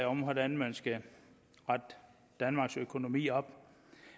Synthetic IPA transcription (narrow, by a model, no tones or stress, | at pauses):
ɒ̽mhɒdæn̩mænsɡ̥ə | ʁɑd̥ | d̥ænmɑ̈ːɡ̥søkʰo̝no̝mḭːɒ̽b̥